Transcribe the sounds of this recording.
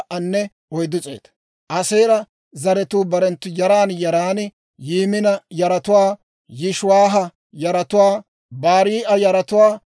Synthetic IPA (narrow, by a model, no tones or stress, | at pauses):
ʔɐnːɛ | ʔɔjd̪ʊt͡sʼḛːt̪ɐ̥ | ʔɐseːɾɐ | zɐɾɛt̪uːbɐɾɛnt̪ːʊjɐɾaːnjɐɾaːn | jiːmɪnɐjɐɾɐt̪ʊwaː | jɪʃʊwaːɦɐ | jɐɾɐt̪ʊwaː | baːɾiːʔɐjɐɾɐt̪ʊwaː